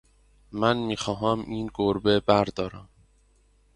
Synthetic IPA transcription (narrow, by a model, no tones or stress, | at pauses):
mænmiːxɒːɦæmiːnɡoɾbebæɾd̪ɒːɾæm